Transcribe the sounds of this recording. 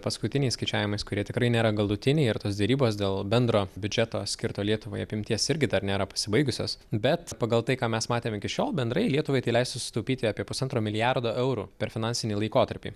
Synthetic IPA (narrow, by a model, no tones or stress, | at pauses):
pɐskʊt̪ʲɪnʲɛɪskɐɪt͡ʃʲæːʋʲɪmɐɪskʊɾʲiɛt̪ʲɪkɾɐɪnʲeːɾɐɡɐlˠʊt̪ʲɪnʲɛɪɪrt̪oːsd̪ʲɛɾʲiːboːsd̪ʲeːlˠbʲɛnd̪ɾoːbʲʊd͡ʒʲɛt̪oːsʲkʲɪɾt̪oːlʲiɛt̪ʊʋoːjɐpʲɪmʲt̪ʲiɛsɪɾʲɡʲɪd̪ɐɾnʲeːɾɐpɐ̥sʲɪbɐɪɡʊsʲo̰ːsbʲɛt̪pɐɡɐlˠt̪ɐɪkɑːmʲɛsmɑːt̪ʲeːmɪkʲɪʃʲoːlˠbʲɛnd̪ɾɐɪlʲiɛt̪ʊʋɐɪt̪ɐɪlʲɛɪst̪sʊsʲɪ̥t̪oʊpʲiːt̪ʲɪɑːpʲiɛpʊsɐnt̪ɾoːmʲɪlʲɪjɑɾd̪oːʔɛʊɾṵpʲɛɾfʲɪnɑnʲsʲɪnʲiːlˠɐɪkoːt̪ɐɾʲpʲḭː